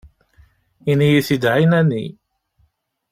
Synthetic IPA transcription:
inijiθid̪ʕinænḭ

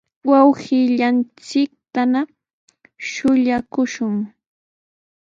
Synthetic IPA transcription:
wawhɪʎant͡sɪk̚t̪ana | ʃʊʎakʊʃʊŋ

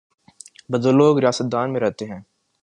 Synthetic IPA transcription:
bɐd̪olːoːɡɾijaːsət̪̚d̪aːnmẽɾɛɦt̪eɦɛ̃ː

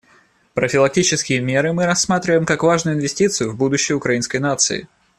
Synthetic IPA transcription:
pɾəfʲɪlˠɐk̚tʲit͡ɕɪskʲɪjəmʲeɾɨmɨɾɐsːmat̪ɾʲɪvəjmkakvaʐnʊjʊɪnvʲɪsʲtʲit̪sɨjʊvbud̪ʊɕːɪjʊkɾɐinskəjnat̪sɨ̰ɪ̰

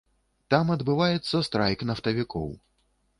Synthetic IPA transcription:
t̪amɐd̪bɨvajɛt̪sːɐst̪ɾajknɐft̪ɐvʲikʰɔ̰w

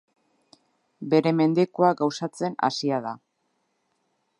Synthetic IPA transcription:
be̞ɾe̞me̞nd̪e̞koaɡawsat͡se̞na̰siaða

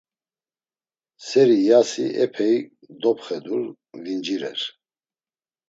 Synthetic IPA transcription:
sɛɾijasiʔɛpʰɛi | d̪ɔpχɛd̪uɾ | vind͡ʒiɾɛ̰ɾ

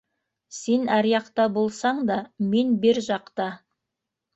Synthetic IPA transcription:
se̞næɾjɑqt̪ɑbo̞lˠsɑɴd̪ɑme̞nbeɾʒɑqt̪ɑ

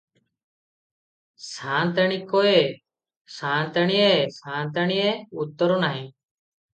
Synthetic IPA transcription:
saːnt̪əɳiːkoːeː | saːnt̪əɳiːeːsãːnt̪̬əɳieːut̪ːəɾoːnaːɦĩː

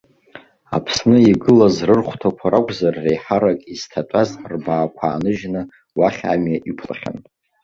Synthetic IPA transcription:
a̰pʰsnɨiɡɨlazrɨrχʷtʰakʷʰaɾakʷʼzarːejħaɾakʼiz̥tʰatʷʼazrbaːkʷʰa̰ːnɨʒnɨ | waχʲa̰mjaʔipʰla̰χʲa̰n

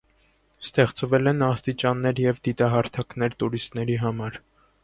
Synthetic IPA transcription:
st̪ɛχt͡svɛlɛnɑst̪it͡ʃɑnːɛɾjɛvd̪it̪ɑɦɑɾt̪ʰɑknɛɾt̪uɾist̪nɛɾiɦɑmɑɾ

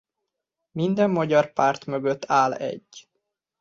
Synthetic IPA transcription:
mind̪ɛmːɒɟɒrpaːrt̪møɡøt̪ːaːlɛ̰ɟː

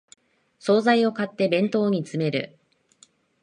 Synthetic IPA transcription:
so̞ːzaio̞kat̪ːe̞bẽ̞nt̪o̞ːɲ̟it͡sɨme̞ɾɯ̟̰

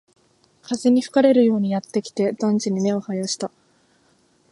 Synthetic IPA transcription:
kʰazeɲ̟iɸɯ̟̥kaɾe̞ɾɯ̟jo̞ːɲ̟ijat̪ːe̞kʲi̥t̪e̞d̪ãnɲ̟t͡ɕiɲ̟ime̞o̞hajaɕi̥t̪a

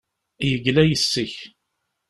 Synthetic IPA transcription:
jəɡlæjəsːəç

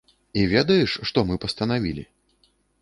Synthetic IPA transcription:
ivʲɛd̪ɐjɛʂʂt̪ɔmɨpɐst̪ɐnavʲilʲḭ

